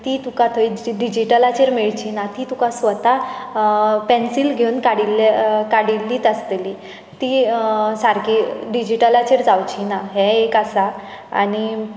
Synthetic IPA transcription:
t̪it̪ukat̪ʰəiɖid͡ʑiʈəlat͡ɕeɾmeɭt͡ɕinat̪it̪ukãsʋət̪a | pɛnsilɡʱewunkaɽilːekaɽilːiːt̪əst̪eli | t̪isaɾkiɖid͡ʑiʈəlat͡ɕeɾd͡zawt͡ɕinaɦɛekasa | a̰ñi

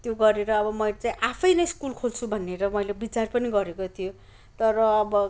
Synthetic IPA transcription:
t̪joɡʌɾeɾʌːbʌmʌjlet͡saĩʔapʰʌjnʌjskulkʰolt͡sʰubʱʌnːeɾʌmʌjlebit͡sarpʌniɡʌɾekot̪ʰijo | t̪ʌɾʌːbʌ

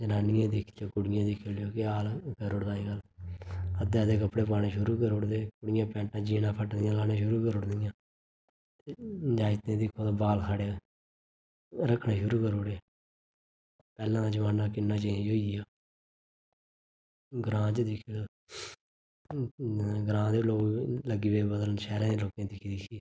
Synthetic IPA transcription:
d͡ʒənaːnɪjãːd̪ɪkʰaːkʊɽɪjãːd̪ɪkʰeːljoːkɪaːlkəɾʊɽd̪aːiɡəl | əd̪eːd̪eːk̬əpɽeːpaːɽẽːʃʊɾuːkəɾoɽd̪eːkʊɽɪjãːpɛ̃ːʈãːd͡ʒiːnãːpʰəʈd̪ɪjãːlaːnãːʃʊɾuːkəɾʊɽd̪ɪjãː | t̪ed͡ʒaːɪt̪ẽːd̪ɪkʰːõːt̪ãːbaːlkʰaːɽeoː | ɾəkʰːnãːʃʊɾuːkəɾoːɽeː | pɛːlãːd̪aːd͡ʒəʋaːnaːkɪnːãːt͡ʃːd͡ʒoːiaː | ɡɾãːt͡ʃːd̪ɪk̪ʰː | ɡɾãːd̪eloːɡləɡiːbeːbəd̪ələsɛːɾãːd̪eːloːkẽːd̪ɪkʰiːd̪ɪkʰiː

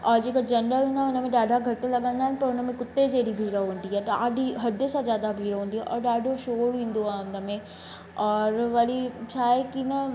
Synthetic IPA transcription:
ɔːɾd͡ʒeːkad͡ʒɐnɾəɾɦũːnd̪aʊnəmẽɖaːɖʱaɡʱɐʈːelɐɡãnd̪aːɦɛnpɐɾʊnəmẽkʊt̪ːed͡ʒeːɽibʱiːɾaɦõːnd̪iɦɛːaːɖʱiɦɐd̪əsazjaːd̪abʱiːɾaɦõːnd̪iɦɛʔɔːɾɖaːɖʱoʃoːɾɦĩːnd̪oãʊnəmẽ | ɔːɾʋalit͡ʃʰaːekinɐ

